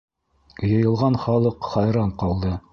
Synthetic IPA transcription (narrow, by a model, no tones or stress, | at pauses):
jɤ̆jɤ̆lˠʁɑnχɑlˠɤqχɑjɾɑɴqɑlˠd̪ɤ